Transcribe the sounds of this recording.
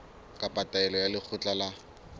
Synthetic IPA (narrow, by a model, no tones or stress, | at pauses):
kʼapʼataɛlɔjalɪk͡xʰʊt͡ɬʼala